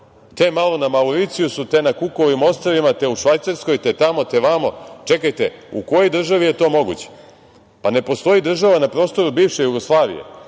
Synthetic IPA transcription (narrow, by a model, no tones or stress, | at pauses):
t̪emalo̞namauɾit̪sijusut̪e̞nakuko̞ʋimo̞st̪ɾaʋimat̪e̞uʃʋajt̪saɾsko̞jt̪et̪amo̞t̪e̞ʋamot͡ʃe̞kajt̪euko̞jojd̪r̩ʒaʋije̞t̪o̞ːmo̞ɡṵt͡ɕe̥ | pane̞po̞st̪o̞jid̪r̩ʒaʋanapɾo̞ːst̪o̞ɾubiːʋʃe̞juɡo̞slˠaːʋḭje̞̰